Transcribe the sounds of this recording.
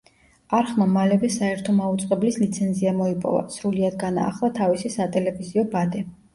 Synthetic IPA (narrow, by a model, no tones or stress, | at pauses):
aɾχmamalɛvɛsaɛɾt̪ʰɔmaut̪sʼqʼɛblislit̪sʰɛnziamɔipʼɔ̰va̰sɾuliad̪ɡana̰ːχlˠat̪ʰavisisat̪ʼɛlɛviziɔbad̪ɛ